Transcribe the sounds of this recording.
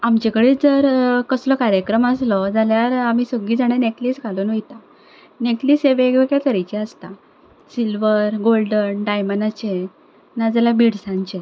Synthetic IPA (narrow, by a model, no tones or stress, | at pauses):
amt͡ɕekɽeːd͡zəɾkəslɔkaɾjəkɾəməslɔd͡zaljaɾamiːsəɡiːd͡zaɽ̃eneʈlisɡʱalunojt̪a | neʈliseʋeɡʋeɡɭek̪əɾajt͡ɕeəst̪a | silʋəɾɡolɖənɖajmənat͡ɕe | nad͡zalabiɽsãɲt͡ɕe